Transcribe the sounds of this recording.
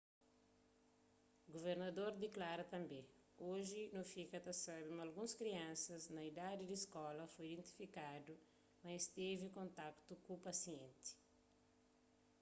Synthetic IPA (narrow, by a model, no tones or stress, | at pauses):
ɡoveɾnɐd̪oɾd̪eklaɾɐt̪ɐ̃mbẽ | oʒinufikɐt̪ɐsabimalɡũskɾiãnsɐznɐid̪ad̪id̪iskɔlɐfojid̪ẽnt̪i̥fikad̪u | mɐist̪evikõnt̪akt̪ukupɐsiẽnt̪i̥